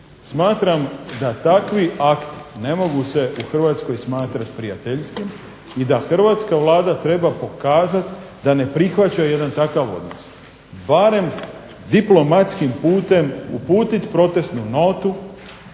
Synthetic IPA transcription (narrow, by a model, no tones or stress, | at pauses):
smaːt̪ɾamd̪at̪akʋiʔakt̪i̥ne̞mo̞ɡuse̞ʔuxr̩ʋaːt̪sko̞jsmaːt̪ɾat̪pɾijat̪eʎskim | id̪axr̩ʋaːt̪skaʋlˠaːd̪at̪ɾe̞bapo̞kaːzat̪ | d̪ane̞pɾixʋat͡ɕaje̞d̪ant̪akaʋo̞̰d̪nos | baɾe̞m | d̪iplo̞mat̪skimpuːt̪e̞mṵpuːt̪it̪pɾo̞t̪e̞st̪nuno̞t̪u